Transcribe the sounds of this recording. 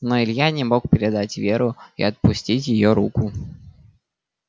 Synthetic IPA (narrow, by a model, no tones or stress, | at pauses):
noɪlʲjanʲɪmo̞kpʲɪɾʲɪd̪atʲvʲe̞ɾʊḭɐt̪̚pʊsʲtʲitʲjɪjoɾukʊ